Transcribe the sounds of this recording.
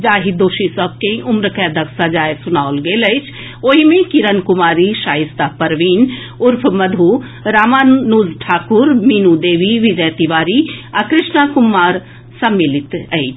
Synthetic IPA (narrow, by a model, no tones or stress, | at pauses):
d͡ʒaːɦid̪oːʃisəb̚ʱkeʔʊmɾəkɛd̪ʱəksəd͡ʒaːjsʊnaolɡeləɪt͡ʃʰ | oːɦimẽkiɾənkumaːɾiʃaːɦist̪apəɾʋiːn | ʊɾpʰməd̪ʱu | ɾaːmaːnːuːzʈʰaːkuɾminud̪eːʋiʋid͡ʒəjt̪iʋaːɾiakɾɪʃnakumːaːɾ | səmːilit̪ə̰ɪt͡ʃʰ